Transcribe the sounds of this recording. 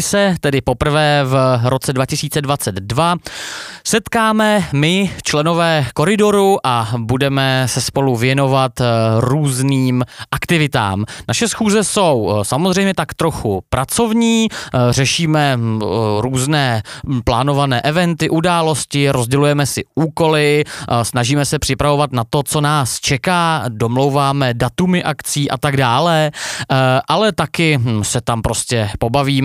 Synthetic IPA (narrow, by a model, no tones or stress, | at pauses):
sɛt̪ɛdɪpo̞pr̩vɛːvɾo̞t͡sɛdvacɪsiːt͡sɛdvat͡sɛd̪dva | sɛt̪kaːmɛmɪft͡ʃlɛno̞vɛːko̞ɾɪdo̞ɾuʔabudɛmɛsɛspo̞luvjɛno̞vat̪ɾuːzniːmʔakt̪ɪvɪt̪a̰ːmnaʃɛsxuːzɛso̞wsamozr̝ɛjmɲɛt̪akt̪ɾo̞xupɾʔat͡so̞vɲiːr̝ɛʃiːmɛ | ɾuːznɛːplaːno̞vanɛːʔɛvɛnt̪ɪʔudaːlo̞scɪɾo̞zɟɛlujɛmɛsɪʔuːko̞lɪsnaʒiːmɛsɛpr̥ɪpɾavo̞vat̪nat̪o̞t͡so̞naːst͡ʃɛkaːdo̞mlo̞wvaːmɛdat̪umɪʔakt͡siːʔa̰t̪aɡdaːlɛ | ʔalɛt̪akɪsɛt̪ampɾo̞scɛpo̞baviːm